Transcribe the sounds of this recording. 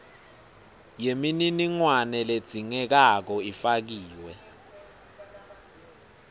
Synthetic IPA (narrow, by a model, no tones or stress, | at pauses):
jemininiŋwanɛled̥z̥ʱiŋɛk̬ak̬ɔifak̬iːwɛ